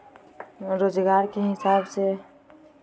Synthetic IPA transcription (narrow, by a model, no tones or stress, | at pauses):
ɾod͡ʒɡaɾkeɦɪsabse